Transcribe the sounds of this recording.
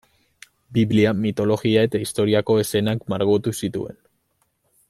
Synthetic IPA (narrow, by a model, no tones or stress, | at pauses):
biβliamit̪o̞lo̞ɣiae̞t̪aist̪o̞ɾiako̞e̞se̞nakmaɾɣot̪usit̪ṵe̞̰n